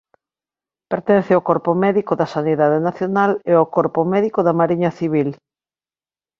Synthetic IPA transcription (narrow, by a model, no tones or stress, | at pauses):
peɾt̪ɛnθeokɔɾpʊmɛðikoðɐsaniðaðenaθjonaleokɔɾpʊmɛðikʊðɐmaɾiɲɐθiβ̞il